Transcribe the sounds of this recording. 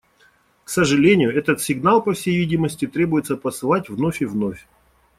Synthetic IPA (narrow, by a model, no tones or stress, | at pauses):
ksəʐɨlʲenʲɪjʊɛt̪ət̪sʲɪɡnalˠpəfsʲejvʲidʲɪməsʲtʲɪt̪ɾʲebʊjɪt̪səpəsɨlˠatʲvnofʲɪvnofʲ